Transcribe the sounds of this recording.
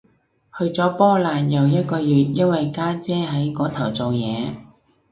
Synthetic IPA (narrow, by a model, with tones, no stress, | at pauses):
hɵ˧ɥt͡sɔː˨˥pɔː˥laː˨njɐ˨˩wjɐ˥t̚kɔː˧jyː˨˩t̚jɐ˥nwɐ˨jkaː˥t͡sɛː˥ɦɐ˨˥jkɔː˨˥t̪ʰɐ˨˩wt͡so˨wjɛː˨˧